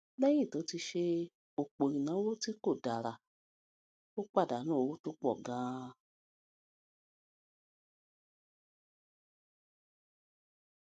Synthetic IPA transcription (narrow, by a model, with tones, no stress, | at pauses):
bɛ˦j̃ĩ˦˨to˨˦ti˧ʃe˧ | o˨k͡po˨ɾĩ˨nã˨˦wo˦ti˦ko˦˨da˨ɾa˨ | o˦k͡pa˦˨da˨˦nã˦o˨˧wo˦to˦k͡pɔ̰˦˨ɡã˨˦